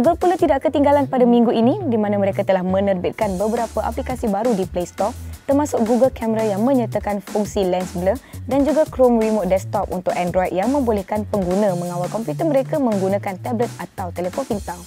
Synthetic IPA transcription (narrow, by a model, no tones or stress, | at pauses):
ɡuɡəlpulat̪idaʔkət̪iŋɡalanpadamĩŋɡuʔinĩdimãnãməɾekat̪əlahmə̃nərbɪt̪̚kanbəbəɾapaʔa̰plikasibaɾudiplest̪ɔk̚t̪ərmasʊk̚ɡuɡəlkɛməɾajaŋmə̃ɲat̪akanfuŋsilɛnsəbələdand͡ʒuɡakɾomrimot̪̚dɛst̪ɔp̚ṵnt̪ʊkɛndɾɔjd̚jaŋmə̃mbolɛhkanpəŋɡunãmə̃ŋãwalkɔmpjut̪ərməɾekamə̃ŋɡunãkant̪ɛblət̪̚at̪awt̪elefonfint̪al